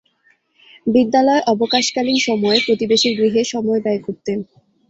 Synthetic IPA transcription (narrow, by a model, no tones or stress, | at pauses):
bid̪ːalɔeʔɔbokaʃkalinʃɔmɔepɾot̪ibeʃiɾɡɾiɦeʃɔmɔebɛekuɾt̪e